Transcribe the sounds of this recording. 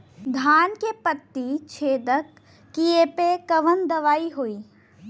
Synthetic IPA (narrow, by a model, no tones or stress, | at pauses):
d̪ʱaːnkepət̪ːit͡ʃʰeːd̪əkː | iepekɐʋənd̪ɐʋaːiɦoːiː